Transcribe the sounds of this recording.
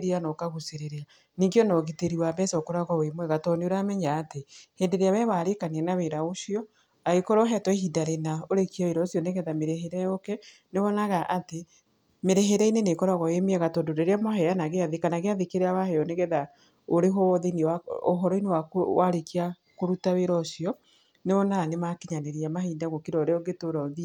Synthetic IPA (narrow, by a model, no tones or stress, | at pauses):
ɾeanɔkaɣuseɾeɾea | niŋɡeɔnɔɣiteɾiwabɛsɔkɔɾaɣɔwemwɛɣatɔneoɾamɛɲaːteheːndeɾeaβɛwaɾekaniɛnaweɾaoʃiɔ | aɣekɔɾɔɦɛtwɦidaɾenaoɾekiaiɾɔosjɔneɣɛðameɾeɦeɾɛokɛ | neβɔnaɣaʔate | meɾeɦeɾɛinenekɔɾaɣɔemeɛɣatɔdodeɾeamɔɦɛjanaɣeaðekanaɣeaðekeɾeawahɛjɔneɣɛða | oɾeɦoɔðenewao̰ɦɔɾɔinewakowaɾekia | koɾutaweɾɔsijɔ | neβɔnaːnemakeɲaneɾiamahiːdaɣokiɾɔɾeɔɡetoɾɔðia